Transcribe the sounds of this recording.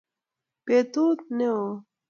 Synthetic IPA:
pet̪ot̪neo

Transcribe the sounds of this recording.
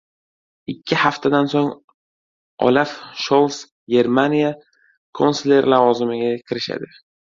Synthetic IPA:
ɪkʲʰːɪhaft̪ʰad̪ansoŋ | ɒ̰lafʃolˠs | ɡʲe̞ɾmanija | kʰonsle̞ɾlavɒzɪmɪɡʲakʲʰɪɾɪʃa̰d̪ɪ

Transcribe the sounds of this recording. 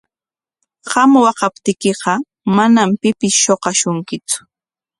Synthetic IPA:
ɢɑmwɑqɑpt̪ɪkeqɑ | manampɪpɪsʃoqɑʃʊŋkɪt͡sʊ̥

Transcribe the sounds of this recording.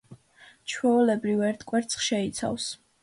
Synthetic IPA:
t͡ʃʰwɛulɛbɾivɛɾt̪ʰkʼwɛɾt̪sʰχʃɛit̪sʰa̰vs

